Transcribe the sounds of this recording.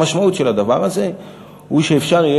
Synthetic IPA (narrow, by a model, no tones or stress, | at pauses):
aʃmaut̪ʃe̞lad̪avaʁaze̞ | uʃeefʃaʁije